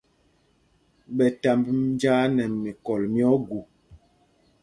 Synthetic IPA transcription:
ɓɛ˨ta˨mbm˦n˦d͡ʒaː˦nɛ˨mi˨kɔ˨lmjɔ˦ɡu˨

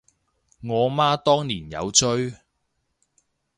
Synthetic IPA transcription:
ŋɔː˨˧maː˥t̪ɔː˥ŋniː˨˩njɐ̰˨˧wt͡ʃɵ˥ɥ

